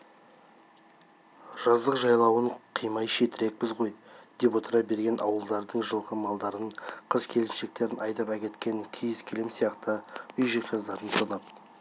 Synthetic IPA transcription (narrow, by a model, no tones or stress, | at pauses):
ʒ̥ɑzd̪əqʒɑjlˠɑwəɴqʰijmɑjʃe̞t̪ɪɾe̞k̚pɪzʁo̞jd̪̥e̞po̞t̪əɾɑbe̞ɾɡʲe̞nʔɑwəlˠd̪ɑɾd̪əɴʒəlˠʁəmɑlˠd̪ɑɾənqʰəzkʲʰe̞lsɪnʃe̞k̚t̪e̞ɾɪnɑjt̪ɑpækʲe̞t̪kʲe̞ŋkʲʰijɪskʲʰɪlemsijɑqt̪əʏjʒijqɑzd̪ɑɾənsʰənɑp̪̚